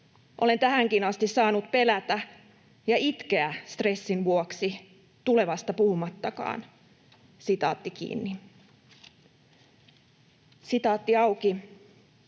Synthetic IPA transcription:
ʔo̞le̞nt̪æhæŋkinɑst̪issɑːnut̪pe̞læt̪æ | jɑit̪k̟eæst̪re̞sːinʋuoksi | t̪ule̞ʋɑst̪ɑpuhumɑt̪ːɑkɑ̰ːn | sit̪ɑ̰ːt̪ːikḭːnːi | sit̪ɑːt̪ːiɑwki

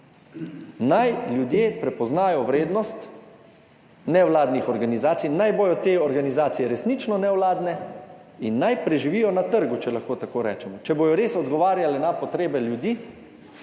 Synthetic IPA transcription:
najljud̪jeːpɾɛpɔznaːjɔʋɾeːd̪nɔst̪ | nɛwlaːd̪nixɔɾɡanizaːt̪sijnajboːjɔt̪eːɔɾɡanizaːt̪sijɛɾɛsnit͡ʃnɔnɛwlaːd̪nɛ | inːajpɾɛʒiʋiːjɔnat̪əɾɡut͡ʃɛlaxkoːt̪akoːɾɛːt͡ʃɛmɔt͡ʃɛboːjɔɾeːsɔd̪ɡɔʋaːɾjalɛnapɔt̪ɾeːbɛljud̪iː

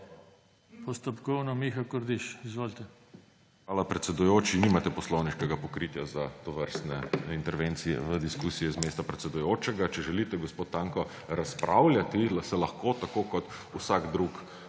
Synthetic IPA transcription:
pɔst̪ɔpkɔwnɔmixakɔɾd̪iʃizʋoːlt̪ɛ | xʋaːlapɾɛt̪sɛd̪ujoːt͡ʃiniːmat̪ɛpɔslɔwniʃkɛɡapɔkɾiːt̪jazat̪ɔʋəɾst̪nɛint̪ɛɾʋeːnt̪sijɛ̰ʋəd̪iskuːsijɛzmeːst̪apɾɛt̪sɛd̪ujoːt͡ʃɛɡat͡ʃɛʒɛlit̪ɛɡɔspoːt̪ːaːŋkɔ | ɾaspɾʔa̰wlʲjat̪isɛlaxkot̪akoːkɔt̪ | usaɡd̪ɾuk

